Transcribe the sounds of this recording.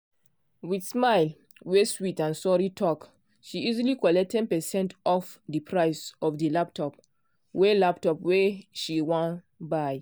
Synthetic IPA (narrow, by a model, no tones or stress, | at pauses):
widsmaɪl | weswitãnsɔɹitʰɔk | ʃiizilikɔlɛk̚tʰɛ̃npɛsɛ̃ntɔfdəpʰɹaɪsɔfdəlap̚tʰɔp | welap̚tɔpweʃiwɔ̃n | baj